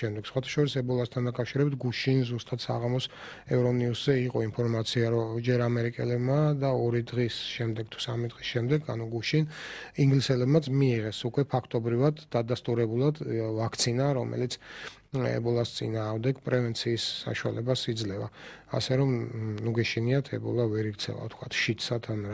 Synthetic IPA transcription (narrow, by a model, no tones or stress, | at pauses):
ʃɛmd̪ɛɡ̥sχwat̪ʰḁʃɔɾisɛbɔlˠast̪ʰand̪akʼafʃiɾɛbit̪̚ʰɡuʃinzust̪ʼat̪sa̰ʁamɔs | ɛvɾɔniuszɛiqʼɔinpʰɔɾmat̪sʰiaɾɔd͡ʒɛɾamɛɾikʼɛlɛbmad̪aɔɾid̪ʁisʃɛmd̪ɛɡ̥̚t̪ʰu̥samid̪ʁisʃɛmd̪ɛɡʰa̰nuɡuʃiniŋɡlisɛlɛbmat̪sʰmiːʁɛsukʼwɛpʰakʰt̪ʼɔbɾivad̪ad̪ast̪ʼuɾɛbulˠad̪vakʰt̪sʰinaɾɔmʔɛ̰lit̪sʰ | ɛ̰bɔlˠast̪sʼḭnaːʁmd̪ɛɡpʼɾɛvɛnt̪sʰiːsːa̰ʃua̰lɛbasid̪zlɛva̰ | a̰sɛɾɔmnuɡɛʃiniat̪ʰɛbɔ̰lˠavɛɾiɡt̪sʰɛ̰va̰ft̪ʰkʰwat̪ʰʃit̪ʰsat̪ʰan